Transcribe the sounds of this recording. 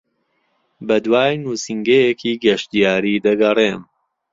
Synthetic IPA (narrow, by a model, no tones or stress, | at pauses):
bɐd̪waːjnuːsiŋɡɐjekʰiːɡɐʃt̪ijaːɾiːd̪ɐɡɐreːm